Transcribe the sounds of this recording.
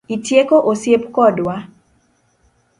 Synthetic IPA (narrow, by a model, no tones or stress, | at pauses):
itjekoʔosjepkɔdwa